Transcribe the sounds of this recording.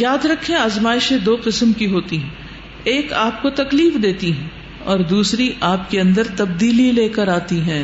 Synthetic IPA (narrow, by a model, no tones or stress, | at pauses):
jaːd̪ɾɐkʰːẽaːzmaːɪʃẽd̪oːqɪsmkiɦoːt̪iɦɛ̃ | eːkaːp̚kot̪ɐkliːfd̪eːt̪iɦɛ̃ | ɔːɾd̪uːsɾiʔaːp̚keɐ̃nd̪əɾt̪ɐb̚d̪iːlileːkəɾaːt̪iɦɛ̃ː